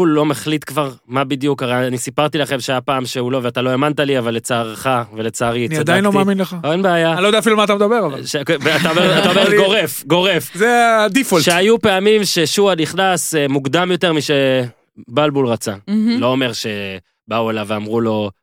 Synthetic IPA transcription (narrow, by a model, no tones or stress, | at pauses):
ulːo̞meχlit̪kvaʁmabid̪jukaʁejaanisipaʁt̪ilaχe̞mʃeajapaːmʃeulo̞veatalo̞e̞mant̪aliavalːet͡saːʁχavelet͡saːʁiniadajinlomaaːminleχaoenbeajanlojd̪afilumaːt̪amed̪abeʁalaʃekveat̪aomeʁat̪aomeɡoʁefɡo̞ʁe̞fzead̪ifolʃeajupe̞amimʃe̞ʃuadniχnasemuɡd̪amjo̞te̞ʁmiʃe | balbulʁat͡salo̞ome̞ʁʃe̞ | bauelaveamʁulo̞